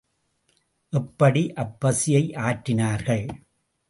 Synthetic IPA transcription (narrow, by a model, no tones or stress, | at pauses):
ʔɛpːɐɽiʔɐbːɐsɪjɐɪʔaːʈːɪnaːɾɣɐɭ